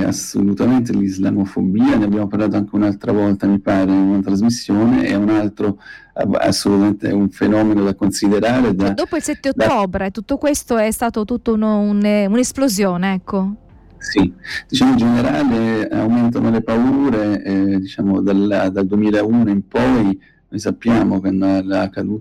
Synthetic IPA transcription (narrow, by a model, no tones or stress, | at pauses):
a̰so̰lut̪ament̪elizla̰mofobiːaneabːjaːmoparlaːt̪̬oaŋk̟eunalt̪ɾavɔlt̪amipaːɾeunat̪ɾazmisːjoːnḛɛunalt̪ɾo | a̰a̰sːolut̪ament̪eɛ̰uɱfenɔːmenod̪akonsid̪eɾaːɾed̪ad̪oːpoilsɛt̪ːeod̪ːɔːbɾet̪ːut̪ːokwest̪oɛst̪aːt̪ot̪ut̪ːounoununesplozjoːneɛkːo | sid̪̥it͡ʃaːmod͡ʒeneɾaːlea̰wment̪anolepauːɾed̪it͡ʃaːmod̪ald̪ald̪wemiːlauːnoimpɔj | nojsapːjaːmokwanːlakːad̪uː